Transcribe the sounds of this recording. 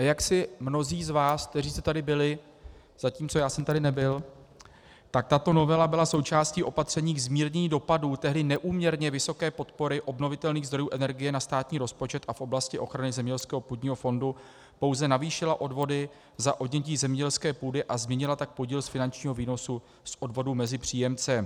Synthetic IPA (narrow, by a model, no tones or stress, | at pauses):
jaksɪmno̞ziːzvaːsk̚t̪ɛriːst̪ɛt̪adɪbɪlɪ | z̥aciːmt͡so̞jaːsɛmt̪adɪnɛbɪl | t̪ak̚t̪at̪o̞no̞vɛlabɪlaso̞wt͡ʃaːsciːʔo̞pat̪r̝̥ɛɲiːɡzmiːɾɲɛɲido̞paduːt̪ɛɦdɪnɛʔuːmɲɛɾɲɛvɪso̞kɛːpo̞t̪po̞ɾɪʔo̞bno̞vɪt̪ɛlniːɣzd̪ɾo̞juːʔɛnɛɾɡɪjɛnast̪aːt̪ɲiːɾo̞spo̞t͡ʃɛt̪ʔafʔo̞blascɪʔo̞xɾanɪzɛmɲɛɛlskɛːɦopuːd̪ɲiːɦo̞fo̞ndu | po̞wzɛnaviːʃɪlaʔo̞dvo̞dɪ | zaʔodɲɛc̬iːzɛmɲɛɟɛlskɛːpuːdɪʔazmɲɛɲɪlat̪ak̚po̞ɟiːlsfɪnant͡ʃɲiːɦo̞viːno̞su | sʔo̞dvo̞duːmɛzɪpr̝̥iːjɛmt͡sɛ